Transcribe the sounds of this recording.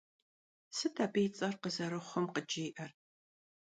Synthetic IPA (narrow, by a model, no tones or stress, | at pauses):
sɨtʰaːbijt͡sʼɐrqəzɐɾɨχʷɔmqəd͡ʒɪːʔɐr